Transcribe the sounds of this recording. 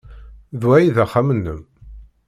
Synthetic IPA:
ðwæjiðæχamənːəm

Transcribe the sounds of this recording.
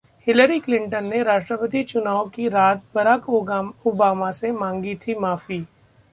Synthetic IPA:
hɪləɾiklɪ̃ɳʈənːeɾaːʃʈɾəpət̪̬it͡ʃʊnaːokiɾaːt̪̚bɐɾaːkobaːmasemãːŋɡit̪ʰimaːfiː

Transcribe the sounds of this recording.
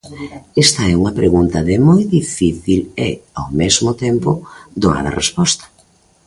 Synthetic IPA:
ɛst̪ɐɛuŋɐpɾeɣunt̪ɐðɪmojd̪ifiθilḛawmezmʊt̪ɛmpʊd̪oa̰nɐ̰rḛspɔst̪ɐ̥

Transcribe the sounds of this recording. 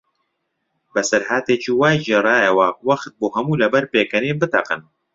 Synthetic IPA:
bɛsɛɾɦaːt̪eːt͡ʃiːwaːjʒirˤɑːjɛwawɐxt̪̚boːɦɛmuːlɛbɛɾpeːkɛneːbɨt̪ɐ̰qɨ̰n

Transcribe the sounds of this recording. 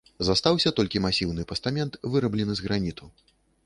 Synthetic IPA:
zast̪awsʲɐt̪ɔlʲkʲimasʲiwnɨpɐst̪amʲɛnt̪vɨɾɐblʲɛnɨzɣɾanʲit̪ʰu

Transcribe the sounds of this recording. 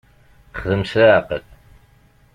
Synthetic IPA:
χðəmsɾaqəl

